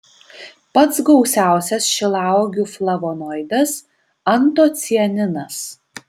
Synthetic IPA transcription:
pɐt̪sɡɒʊsʲæˑʊsʲɛsʃʲɪlˠɑˑʊɡʲuːflˠɐʋoːnɔɪd̪ʲɐs | ɐnt̪oːt̪sʲiɛnʲɪnɐs

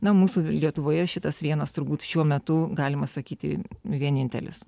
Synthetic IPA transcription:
nɐmuːsuːlʲiɛt̪ʊʋoːjɛʃʲɪt̪ɐsʋʲiɛnɐst̪ʊɾbuːt̪ʃʲuɔmʲɛt̪ʊɡɑːlʲɪmɐsɐkʲiːt̪ʲɪ̰ʋʲiɛnʲɪnʲt̪ʲɛ̰lʲɪ̰s

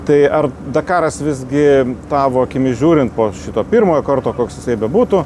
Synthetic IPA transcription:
t̪ɐɪɐrd̪ɐkɑːɾɐsʋʲɪzʲɡʲɪt̪ɑːʋoːɐkʲɪmʲɪʒʲuːɾʲɪnt̪̚poːʃʲɪt̪oːpʲiːrmoːjoːkɐrt̪oːkoːksjɪsɐɪbʲɛbuːt̪ʊ

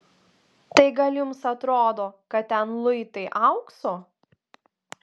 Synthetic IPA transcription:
t̪ɐɪɡɐlʲjʊmsɐt̪ɾoːd̪oːkɐt̪t̪ʲɛnlˠʊɪt̪ɐɪʔɐʊksoː

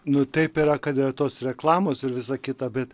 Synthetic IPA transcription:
nʊt̪ɐɪpiɾɐkɐt̪ɪrɐt̪oːsrʲɛklˠɑːmoːsɪɾʋʲɪsɑkʲɪt̪ɐbʲɛt̪

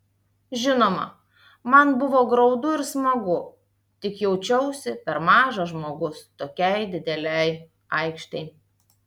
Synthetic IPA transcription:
ʒʲɪnoːmɐ̰ | mɐnbʊʋoːɡɾɒʊd̪ʊɪɾsmɐɡʊ | t̪ʲɪkjɛʊt͡ʃʲɛʊsʲɪpʲɛɾmɑːʒɐʒmoːɡʊst̪oːkʲɛɪd̪ʲɪd̪ʲɛlʲɛɪ | ɐɪkʃt̪ʲɛɪ

